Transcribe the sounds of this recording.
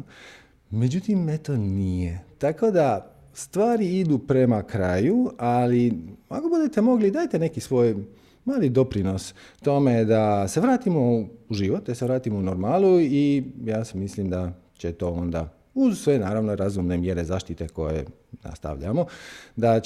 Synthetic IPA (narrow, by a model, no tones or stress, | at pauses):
me̞d͡ʑut̪imːet̪onijet̪ako̞d̪a | st̪ʋaːɾiid̪upɾe̞makɾaːjualiako̞bud̪e̞t̪e̞mo̞ɡlid̪aːjt̪e̞ne̞kisʋo̞ːj | maːlid̪o̞pɾino̞st̪o̞me̞d̪ase̞ʋɾaːt̪imo̞uʒiʋo̞t̪̚d̪aseʋɾaːt̪imounoɾmaːlˠuijaːsemislimd̪a | t͡ɕe̞t̪o̞ːo̞nd̪a̰ | uzsʋe̞naːɾaʋnoɾazumnemje̞ɾe̞zaːʃt̪it̪e̞ko̞̰jḛ | na̰st̪a̰ʋʎa̰mo̞d̪a